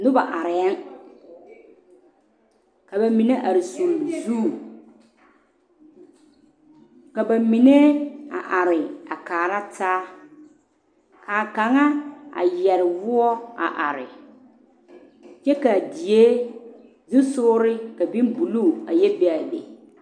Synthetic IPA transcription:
nʊ˦ba˨ʔa˨ɾɛ˨˦n | ka˨ba˨mi˨ne˦ʔa˨ɾɪ˨so˨m˨zuː˦˨ | ka˨ba˨mi˨ne˦a̰˨ʔa˨ɾɪ˨a˨kaː˨ɾa˦tʰaː˦ | ka˨ka˨ŋa˦a̰˨jɛ˨ɾɪ˨vʊ˦ɔ˦a̰˨ʔa˨ɾɪ̰˨ | t͡ʃɛ˦ka˨di˨e˦ | dɪ˦sʊː˦ɾɪ˦ka˨bi˦nbu˨lu˦˨a˨jɛ˦bɛ˦a˨lḛ˨

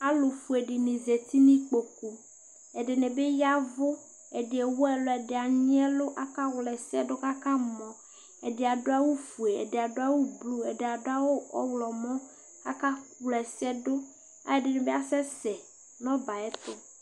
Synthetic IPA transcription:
a˦lo˨fu˨e˨ɖi˨nẽ˨ze˨t̪i˦nĩ˦k͡po˨ku˨ | ɛ˨ɖe˨nẽ˨be˦ja˦vo˦ | e˨ɖe˨ɛ˨wo˦ɛ˨lo˨ɛ˨ɖe˨a˨ɲĩ˦ɛ˦lo˦ʔa˦ka˦wlɛ˨sɛ˦ɖo˦ka˦kã˦mɔ̃˨ | e˨ɖe˨a˨ɖo˦a˦wo˦fu˨e˨ḛ˨ɖe˨a˨ɖo˦a˦wu˦blu˦e˨ɖe˨a˨ɖo˦a˦wo˦ɔ̰˦wlɔ˨mɔ̃˦ | ka̰˦ka˦wlɛ˨sɛ˦ɖo˦ | a̰˦e˨ɖe˨nẽ˨be˦a˦sɛ˦sɛ˨ | nɔ̃˦ba˨ɛ˦t̪o˦

